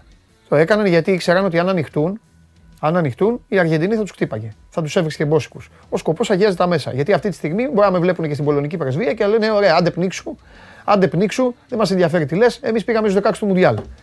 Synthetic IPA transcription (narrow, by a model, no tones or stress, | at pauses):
t̪oe̞kɐnɐnʝɐt̪ikse̞ɾɐno̞t̪iɐnɐnixt̪un | ɐnɐnixt̪uniɐɾʝed̪iniθɐt̪uskt̪ipɐʝe̞θɐt̪u̥se̞vɣɾiscebo̞si̥kus | o̞sko̞po̞sɐʝiɐzet̪ɐme̞sɐ̰ʝɐt̪iɐft̪it̪i̥st̪iɣmiboɾiɐmevle̞punecest̪ibo̞lo̞nicipɾezviɐceleneo̞ɾe̞ɐɐnd̪e̞pniksu | ɐnd̪e̞pniksuðe̞mɐs̬enðʝɐfe̞ɾit̪ile̞se̞mispiɣɐmeiszðo̞kɐkst̪mund̪ʝɐl